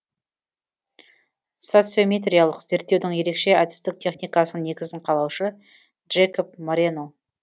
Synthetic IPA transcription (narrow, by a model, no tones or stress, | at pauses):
so̞t̪sɨo̞mʲet̪̬rʲijalˠəqze̞ɾt̪ːe̞wd̪ɪŋje̞ɾe̞kʃe̞ad̪ɪ̥st̪ɪk̚t̪ʰe̞χnijkɑsənne̞ɡʲɪzɪɴqʰɑlˠɑwʃə | ʒekop̚moɾeno